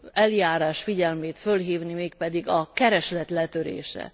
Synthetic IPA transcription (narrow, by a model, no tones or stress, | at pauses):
ɛljaːɾaːʃfiɟɛlmeːt̪fø̞lɦiːvnimeːk̚pɛd̪iɡɒkɛɾɛʃlɛt̪lɛt̪ø̞ɾḛːʃɛ̰